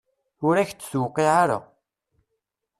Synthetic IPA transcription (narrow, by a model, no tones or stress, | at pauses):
ʊɾæçt͡sːθwqːiʕaɾa̰